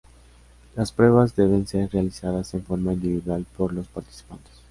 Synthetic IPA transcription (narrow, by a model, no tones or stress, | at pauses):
laspɾwe̞βazde̞β̞e̞nse̞ɾrealisaðase̞ɱfo̞ɾmaĩnd̪iβiðwalpo̞ɾlo̞spaɾt̪i̥si̥pant̪e̥s